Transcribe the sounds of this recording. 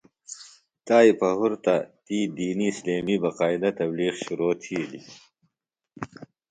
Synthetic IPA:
t̪aːipɐɦuɾt̪at̪iːd̪iːnisleːmibɐqaːid̪ɐt̪ɐbliːqɕuɾoːt̪ʰiːli

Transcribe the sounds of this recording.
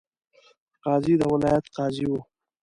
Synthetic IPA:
qɑːzid̪əwɪlɑːjat̪qɑːziwu

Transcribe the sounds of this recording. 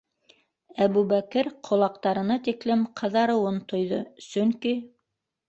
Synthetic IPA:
æβʉβækɘɾqʰŏlˠɑq̚t̪ɑɾɤ̆nɑt̪iklɘmqʰɤ̆ðɑɾɤ̆wɤnt̪ŏjðɤsɵŋki

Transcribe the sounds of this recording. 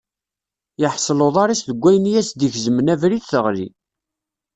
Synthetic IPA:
jəħsˤloðˤɑɾˤisðəɡʷːæjənjæsd̪içzəmənævɾiθθəʁlḭ

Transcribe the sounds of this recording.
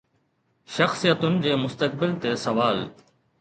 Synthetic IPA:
ʃɐxsijət̪ʊnɪ̆d͡ʑeːmʊst̪ək̚bɪlt̪esɐʋaːl

